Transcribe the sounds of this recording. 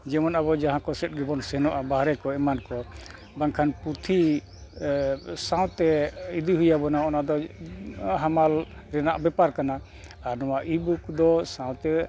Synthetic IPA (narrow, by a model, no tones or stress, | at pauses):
d͡ʒɛmɔnaβɔd͡ʒaɦãkɔsɛt̚ɡɛbɔnsɛnɔʔabaɦɾɛkɔɛmankɔ | baŋkʰanput̪ʰi | sãw̃t̪ɛid̪iɦujabɔnaɔnad̪ɔ | ɦamal | ɾɛnaʔbɛpaɾkana | aɾnɔwaʔibukd̪ɔsãw̃t̪ɛ